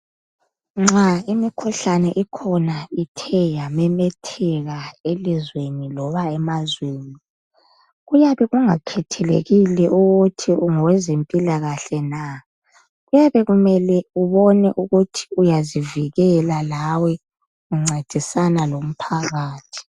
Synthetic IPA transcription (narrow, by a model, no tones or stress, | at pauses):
ŋ͡ǁaimikʰuɬanɛʔikʰɔnaitʰɛjamɛmɛtʰɛɣaelizwenilɔβaɛmazweːni | ɣujaβɛɣuŋakʰɛtʰɛlḛɣilɛʔuɣutʰiuŋɔwɛzempʼilaɣaɬɛna | ɣujaβɛɣumɛlɛuβɔnɛ̰ʔuɣutʰi̥ujaziviɣɛlalawɛ | ɣuŋ͡ǀed̥ʱisanalom̩pʰaɣaːtʰi̥